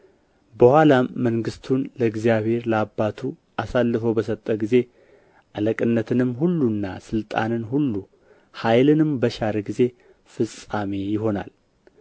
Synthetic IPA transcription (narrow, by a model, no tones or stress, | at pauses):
bəhalaːəŋɡɨst̪ʰunləɨɡzijaβhe̞ɾləabːat̪ʰu | ʔasalːɨfəwbəsət̪ʼːəɡize̞ | ʔaləkʼɨnːət̪ʰɨnɨmhulːunːa̰sɨlt̪ʼa̰nɨnhulːu | hajlɨnɨmbəʃaɾəɡize̞ | fɨsʼamejɪɦo̞na̰l